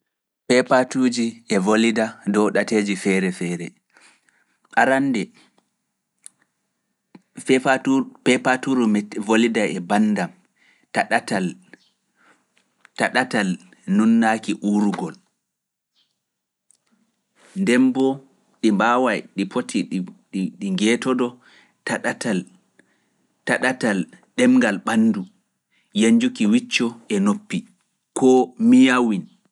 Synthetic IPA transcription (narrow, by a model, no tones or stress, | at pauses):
pɛpatuːd͡ʒiʔɛvolidadɔwɗateːd͡ʒifɛɾɛfɛːɾɛ | ʔaɾandɛ | fɛapɛpatuɾumɛvolidaɛbandam | taɗatal | taɗatal | nunːakiʔuɾuɡɔl | ndɛmbɔ | ɗimbaːwajɗipotʰiɗɗiŋɡɛtɔdɔ | taɗatal | taɗatal | ɗɛmŋɡalɓanːdu | jaɲd͡ʒukiwit͡ʃːɔʔɛnopːi | kʰɔmijawin